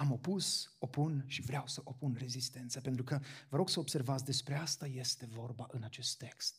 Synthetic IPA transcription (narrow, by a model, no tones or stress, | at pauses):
amo̞puso̞punʃivɾeawsəʔo̞punre̞zist̪e̞nt̪səpe̞nt̪ɾukəvəɾo̞ɡ̥səobse̞rvat̪sʲd̪e̞spɾe̞ast̪aje̞st̪e̞vo̞rbaʔɨnat͡ʃe̞st̪ːe̞kst̪̚